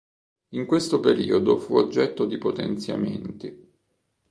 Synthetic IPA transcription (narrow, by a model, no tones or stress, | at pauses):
iŋkwest̪opeɾḭːod̪ofuod͡ʒːɛt̪ːod̪ipot̪ḛnt̪sja̰ment̪i